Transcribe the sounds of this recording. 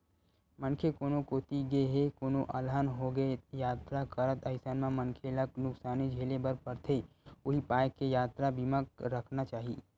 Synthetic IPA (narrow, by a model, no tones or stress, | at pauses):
mənkʰekoːnokoːt̪iɡeɦekoːnoʔaːlɦaːnɦoɡəejaːt̪ɾakəɾət̪əɪsanmẽmənkʰeləknʊksaːnid͡ʒʱeːlebəɾpəɾt̪ʰe | ʊɦipaːjkejaːt̪ɾabimək̚ɾəkʰnat͡ʃaːɦi